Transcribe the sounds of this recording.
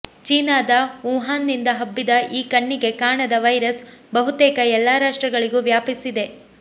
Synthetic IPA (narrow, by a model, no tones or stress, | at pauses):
t͡ʃiːnaːd̪ɐuːɦaːnːind̪ɐɦɐbːid̪ɐʔiːkɐɳːiɡe̞kaːɳɐd̪ɐʋɐjɾɐsbɐɦut̪ɛːkɐɛlːaːɾaːʂʈɾɐɡɐɭiɡuːʋjaːpisid̪e̞